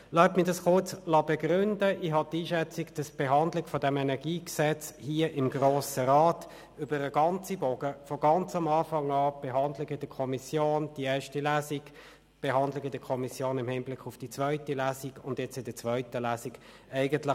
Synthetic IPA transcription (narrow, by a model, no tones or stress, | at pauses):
laʊtmiːɐdɑsχʊɐt͡slɑbeɡʁʏndəʔiɦhɑtiːʃɛt͡sɪɡd̥ɑsb̥eɦɑndlɪɡfɔdɛmɛnɛɡiːksɛt͡shiəʔɪmɡʁoːsəʁɑːt | ʏbəɾəɡɑnt͡sibɔɡ̥əfɔɡɑnt͡sɑmɑːfɑŋɑːb̥eɦɑndlɪɡɪdəkʰɔmisjoːnd̥iɛːɐʃtilæːziɡ | b̥eɦɑndlɪɡədəkʰɔmisjoːnɪmhɪmblɪkʰʊfd̥it͡sv̥œʏtilæːsiɡʊndjɛt͡sɪdət͡svœʏtəlæːsiɡ | æɪɡəntlɪ